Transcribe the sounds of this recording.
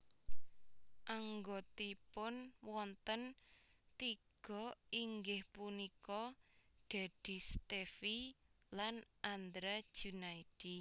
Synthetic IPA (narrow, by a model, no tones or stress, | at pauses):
ʔaŋɡot̪ipʊnwɔnt̪ənt̪iɡ̥ɔ̤iŋɡɪhpunikɔɖ̪̥a̤d̪̥i̤st̪efi | lanʔand̪ɾad̥ʒ̥unaid̥i